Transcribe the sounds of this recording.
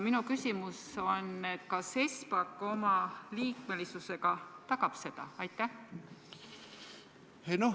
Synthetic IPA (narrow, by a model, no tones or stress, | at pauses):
minukysimuso̞ne̞t̪kɑse̞spɑkːˑo̞mɑliːkme̞lisuse̞ɡ̥ɑt̪ɑkɑb̥se̞d̪̥ɑ̰ɑjt̪ˑːæh | eno